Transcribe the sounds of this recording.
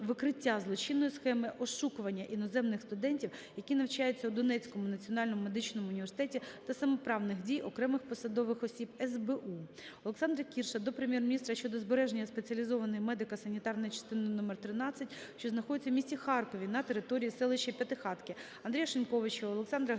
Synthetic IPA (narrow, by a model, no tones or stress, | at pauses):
ʋɪkɾɪtʲːazlˠɔt͡ʃinːɔjisxɛmɪʔɔʃukʊʋɐnʲːɐʔinɔzɛmnɪxst̪ʊd̪ɛnʲtʲiwjɐkʲinɐwt͡ʃɑjʊt͡sʲːɐwd̪ɔnɛt͡sʲkɔmʊnɐt͡sʲiɔnɑlʲnɔmʊme̞d̪ɪt͡ʃnɔmʊʊnʲiʋʲersɪ̥t̪ɛtʲit̪ɐsɐmɔpɾɑwnɪxdʲijɔkɾɛmɪxpɔsɐd̪ɔʋɪxɔsʲibɛzbɛʔu | ɔlˠeksɑnd̪ɾɐkʲirʃɐd̪ɔpɾemjɛrmʲnʲist̪ɾɐʃt͡ʃɔd̪ɔzbeɾɛʒenʲːɐspet͡sʲɐlʲizɔʋɐnɔjimɛd̪ɪkɐsɐnʲit̪ɑrnɔjt͡ʃɐ̥st̪ɪnɪnɔmert̪ɾɪnɑt͡sʲːɐtʲʃt͡ʃɔznɐxɔd̪ɪt͡sʲɐwmisʲixɑrkɔʋʲinɐt̪eɾɪt̪ɔɾʲijisɛlˠɪʃɐpʲjɐt̪ɪxɑt̪kɪ | ɐnd̪ɾʲijɐʃɪnʲkɔʋɪt͡ʃiɔlˠeksɑnd̪ɾɐ